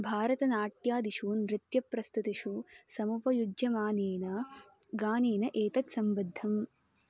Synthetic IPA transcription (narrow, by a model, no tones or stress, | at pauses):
bʱaːɾɐt̪ɐnaːʈjaːd̪iʃuːnɾɪt̪jɐpɾɐst̪ut̪iʂusɐmupɐjud͡ʒjɐmaːneːnɐ | ɡaːneːnɐʔeːt̪ɐt̪sɐmbɐd̪ʱːɐm